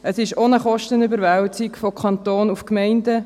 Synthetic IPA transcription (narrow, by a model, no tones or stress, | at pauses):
ʔəsɪʃonəχɔʃtənybəɾʋɛltɪkfokʰɑnt̪oːnufkmɛɪndə